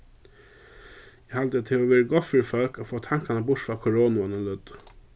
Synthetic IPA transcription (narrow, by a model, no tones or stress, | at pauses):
jæhɑld̪ət̪ʰɛʊʋeːɾəɡɔt̪fœɾfœlkofoːt̪ʰɑŋkɑnəbʊʈfɾɑːkʰʊɾoːnʊənəlʉd̪